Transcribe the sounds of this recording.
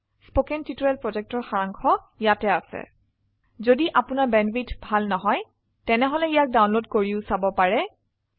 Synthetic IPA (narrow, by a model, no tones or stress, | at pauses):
spokɛntitɔɹɛlpɹɔd͡ʒɛk̚tɔɹxaɹaŋkʰɔ | ijatɛasɛ̰ | zodiʔapʊnaɹbɛnbitbʱalnɔɦɔj | tɛnɛɦɔlɛijak̚dawnlodkoɹiʊsabɔpaɹɛ